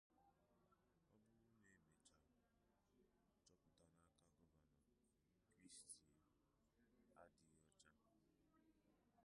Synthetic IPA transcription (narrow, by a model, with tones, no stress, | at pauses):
ɔ˦bʊ˦ʊ˦me˨˦me˨t͡ʃa˨ | t͡ʃɔ˦kʊ˨ta˨na˦ka˦kɔ˦ma˨na˨ | kɾi˦sti˨ | a˦di˨ɔ˦t͡ʃa˦